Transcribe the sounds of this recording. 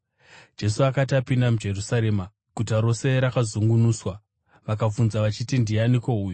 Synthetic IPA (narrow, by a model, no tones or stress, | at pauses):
d͡ʒe̞suakatapindamud͡ʒe̞rusaɾe̞ːma | kutaɾo̞se̞ɾakazuŋɡunuːswa | ʋakafunzaʋat͡ʃitindianiko̞uːju